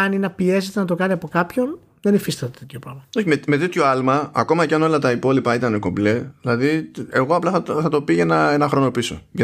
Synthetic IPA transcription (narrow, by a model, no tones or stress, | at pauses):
ɐninɐpie̞set̪enɐt̪o̞kɐniɐpo̞kɐpço̞n | ðe̞nifist̪ɐt̪et̪et̪ço̞pɾɐvmɐo̞çimeme̞t̪et̪ço̞ɐlmɐɐko̞mɐcɐno̞lɐt̪ɐipo̞lipɐit̪ɐne̞ko̞bleðilɐðie̞ɣo̞ɐplɐθɐθɐt̪o̞pienɐe̞nɐxɾo̞no̞piso̞̰ʝɐ